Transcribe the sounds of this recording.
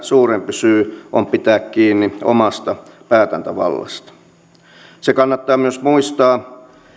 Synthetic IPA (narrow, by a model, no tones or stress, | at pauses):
suːrempysyːʔompit̪æːkkiːnːio̰mɑst̪ɑpæːt̪æ̰nt̪æʋɑ̰lːɑ̰st̪ɑ̥ | sekɑnːɑt̪ːɑːmyøsmuist̪ɑː